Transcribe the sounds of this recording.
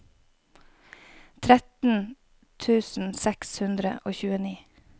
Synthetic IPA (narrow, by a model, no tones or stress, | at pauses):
t̪ʰɾɛt̪n̩ | t̪ʰʉːsn̩sɛkshʉnd̪ɾə̰ʔoːçʉːəniː